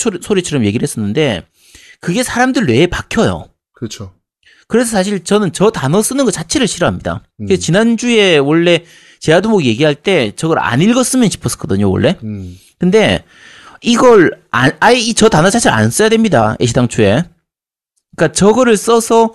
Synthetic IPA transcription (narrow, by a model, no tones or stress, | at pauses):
sʰoɾit͡ɕʰʌɾʌmje̞ɡiɾɭhe̞s͈ʌnːɯnde̞ | kɯɡe̞sʰaɾamdɯɭwe̞ːpakʰjʌjo̰ | kɯt͡ɕʰo | kɯɾe̞s̬ʰʌsʰaɕ̬ʰiɭt͡ɕʌnɯnt͡ɕʌtanʌs͈ɯnɯnɡʌt͡ɕat͡ɕʰe̞ɾɯɭɕʰiɾʌɦamɲida̰ | ɯest͡ɕinand͡ʑue̞wʌɭːe̞ | t͡ɕe̞adumoɡje̞ɡiɦaɭt͈e̞t͡ɕʌɡʌɾa̰ɲiɭɡʌs͈ɯmjʌnɕʰi̥pʰʌs͈ʌ̥k͈ʌdɯɲowʌ̰ɭːe̞ | kɯnde̞ | iɡʌɾaaiit͡ɕʌtanʌt͡ɕʰat͡ɕʰeɾɯa̰ns͈ʌjadwe̞mɲida̰eɕʰidaŋt͡ɕʰue̞ | k͈at͡ɕʌɡʌɾɯɭs͈ʌsʰʌ